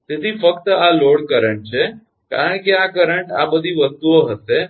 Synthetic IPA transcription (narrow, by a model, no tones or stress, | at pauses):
t̪ɪt̪ʰifɐkt̪əaloːɽkəɾəɳ̃t͡ɕʰe | ka̰ːɾəɳ̃kiakɐɾə̃ɳʈa̰ɓəd̪ʱiʋɐst̪uoɦəse